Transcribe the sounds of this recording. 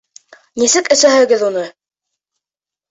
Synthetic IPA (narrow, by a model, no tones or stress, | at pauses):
nisɘkɘ̆sæɦɘ̆ɡɘðunɤ